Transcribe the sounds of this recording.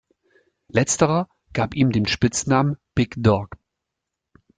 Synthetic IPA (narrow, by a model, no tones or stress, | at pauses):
lɛt͡stəʁɐ | ɡ̥aːpiːmdeːmʃpɪt͡snaːmənb̥ɪkdɔɐk